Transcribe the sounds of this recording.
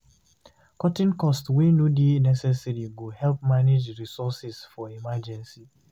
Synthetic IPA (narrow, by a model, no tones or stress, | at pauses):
kɔtɪ̃nkɔstwenodinɛsɛsɛɾiɡohɛlp̚maned͡ʒɾisɔsɪsfɔimad͡ʒɛ̃nsi